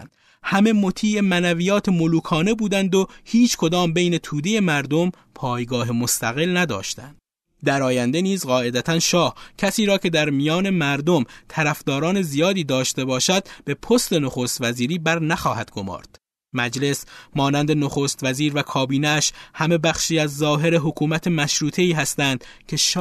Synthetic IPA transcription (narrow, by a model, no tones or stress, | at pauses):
n | hæme̞mot̪ʰiːemænævijɒːt̪ʰe̞moluːkʰɒːne̞buːd̪ænd̪o̞hiːt͡ʃʰkʰo̞d̪ɒːmbejne̞t̪ʰuːd̪e̞je̞mæɾd̪o̞m | pʰɒːjɡɒːɦemost̪ʰæɣe̞lnæd̪ɒ̰ːʃt̪æ̰nd̪̥̚ | d̪æɾɒːjænd̪eniːzɢɒːe̞d̪æt̪ʰænʃɒːhcʰæsiːɾɒːcʰe̞d̪æɾmijɒːne̞mæɾd̪o̞mt̪ʰæɾæfd̪ɒːɾɒːne̞zijɒːd̪iːd̪ɒːʃt̪e̞bɒːʃæd̪b̥e̞pʰost̪e̞noxost̪væziːɾiːbæɾnæxɒːhæd̪̥ɡo̞mɒ̰ːɾd̪̥ | mæd͡ʒle̞smɒːnænd̪e̞noxost̪væziːɾvækʰɒːbiːneæʃhæme̞bæxʃiːæzːɒːɦe̞ɾeɦokʰuːmæt̪ʰemæʃɾuːt̪ʰe̞iːɦæst̪ænd̪̥ | kʰe̞ʃ